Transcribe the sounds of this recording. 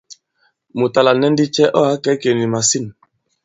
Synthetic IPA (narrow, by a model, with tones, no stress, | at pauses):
mu˨ta˨la˨nɛ˦n˦di˦t͡ʃɛ˦ʔɔ˦a˨˦kɛ˨˦ke˨ni˨ma˨si˦n